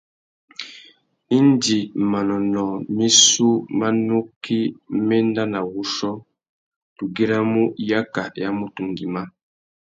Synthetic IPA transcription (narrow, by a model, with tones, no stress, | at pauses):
i˦ndi˨ma˨nɔ˨nɔ˨mi˦su˦ma˦nu˦kːi˦mɛ˦n˦da˦na˨wu˦ʃɔ˦ | tu˨ɡi˦ɾa˦mu˦ja˦ka˨ja˦mu˦tu˨ŋɡi˨ma˦